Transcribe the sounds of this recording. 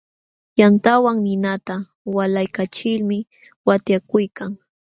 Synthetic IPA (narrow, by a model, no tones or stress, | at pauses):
jant̪awaŋnɪnat̪a | walajkat͡ʃɪlmɪ | wat̪jakʊjkaŋ